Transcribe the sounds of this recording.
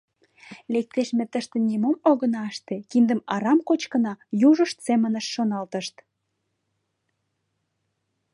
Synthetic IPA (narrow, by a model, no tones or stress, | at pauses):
lek̚t̪eʃmet̪əʃt̪enʲimomoɣənɑəʃt̪ekind̪əmɑɾɑmkot͡ɕkənɑjuʒəʃt̪semənəʃːonɑlt̪əʃt̪